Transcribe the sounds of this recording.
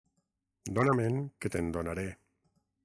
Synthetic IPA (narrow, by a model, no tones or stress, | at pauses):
d̪onamẽŋket̪end̪onaɾe